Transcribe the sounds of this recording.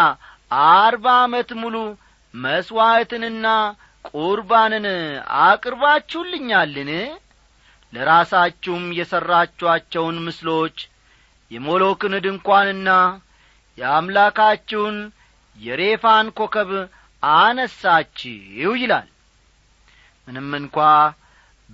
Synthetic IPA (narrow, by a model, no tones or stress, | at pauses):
aɾbaːmət̪mulu | məswat̪ɨnɨnːa | kʼuɾbanɨna̰kʼɨɾβat͡ʃːɛwlːɨɲːalːɨn | ləɾasat͡ʃːɛhmjɛsərːat͡ʃːwat͡ʃːɛwnmɨslo̞t͡ʃː | jɛmo̞lo̞kɨnɨd̪ɨŋkʷanɨnːa | jɛamlakat͡ʃːɛwn | jɛɾe̞fankʰo̞kʰəβ | anəsːat͡ʃːɪwjɪla̰l | mɨnɨmːɨŋkʷa